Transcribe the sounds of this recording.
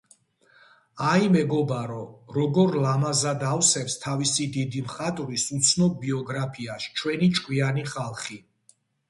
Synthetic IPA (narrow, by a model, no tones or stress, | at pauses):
aimɛɡɔbaɾɔɾɔɡɔɾlamazad̪awsɛfst̪ʰavisid̪id̪imχat̪ʼvisut̪sʰnɔb̚biɔɡɾapʰiaʃt͡ʃʰwɛnit͡ʃʼkʼwianiχalˠχi